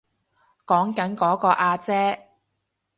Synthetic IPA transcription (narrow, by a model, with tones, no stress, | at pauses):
kɔː˨˥ŋkɐ˨˥nkɔː˨˥kɔː˧ʔaː˧t͡sɛː˥